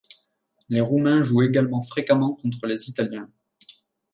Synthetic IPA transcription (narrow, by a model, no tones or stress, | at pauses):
leʁumɛ̃ʒueɡalmɑ̃fχekamɑ̃kɔ̃t̪χəlezit̪aljɛ̃